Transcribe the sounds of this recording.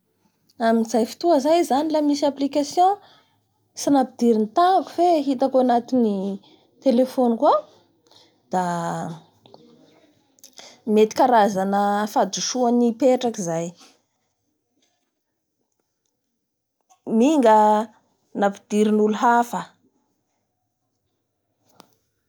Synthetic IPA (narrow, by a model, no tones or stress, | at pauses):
aminizajfi̥t̪uəzajzanilamisaplikasjõ | sinapid̪̥iɾinit̪aku̥feɦit̪akoanat̪ini | t̪elefonkua | d̪̥a | met̪i̥kʲaɾazanəfad̪uʃuanipeʈ͡ʂakizaj | miŋɡə | napid̪iɾinuluɦafə